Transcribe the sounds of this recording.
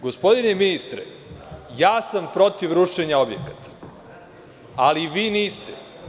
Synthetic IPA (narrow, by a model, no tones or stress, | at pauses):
ɡo̞spo̞d̪ineminist̪ɾḛ | jaːsampɾo̞t̪iʋɾuʃeɲao̞bjekḁt̪ḁ | aliʋiːniːst̪e